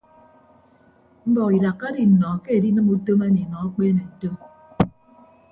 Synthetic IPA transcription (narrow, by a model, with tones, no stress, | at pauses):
m̩˦bɔ˨ki˨ɾa˨kːa˦di˨n̩˨nɔ˨ke˦e˨di˦nɨ˦mu˦to˦ma˦ɲi˨nɔ˨a˦k͡pe˦ne˨to˦m